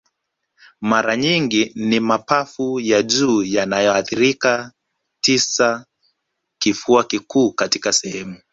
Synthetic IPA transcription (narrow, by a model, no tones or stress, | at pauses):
maɾaɲiŋɡinimapafujaʄuːjanajɔaθiɾika | tisa | kifuakikuːkatikasɛhɛmu